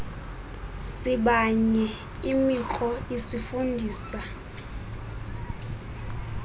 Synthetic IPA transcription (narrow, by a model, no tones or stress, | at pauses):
siɓaɲɛ | imik͡xʰɔisifundʱiːsa